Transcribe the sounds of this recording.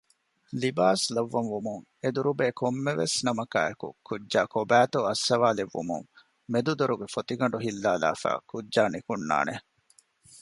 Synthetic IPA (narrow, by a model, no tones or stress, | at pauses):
libaːslɐʋːɐnʋumuŋ | ed̪uɾubeːkʰomːeʋesnɐmɐka̰ːekṵkudːaːkobæːt̪oɐsːɐʋaːleʋːṵmṵŋ | med̪ud̪oɾuɡefot̪iɡɐɳɖuɦilːaːla̰ːfæ̰ːkudːʒaːnikunːa̰ːne